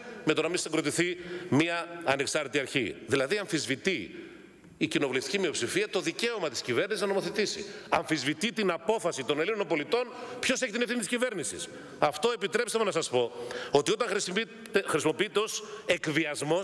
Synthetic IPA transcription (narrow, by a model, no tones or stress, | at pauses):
me̞t̪o̞nɐmist̪eŋɡɾot̪iθimiɐɐne̞ksɐɾt̪et̪iɐɾçḭðilɐðiɐɱfizvit̪iː | cino̞vuleft̪icimio̞psifiɐt̪o̞ðice̞omɐt̪i̥scive̞ɾnisiznɐno̞moθe̞t̪isḭɐɱfizvit̪it̪inɐpo̞fɐsit̪o̞nelinonompo̞lit̪o̞npço̞seçit̪inefθinit̪iscive̞ɾnisḭs | ɐft̪o̞e̞pit̪ɾe̞psemenɐsɐspo̞o̞t̪io̞t̪ɐɾis | xɾisimo̞piit̪eo̞se̞kviɐzmo̞s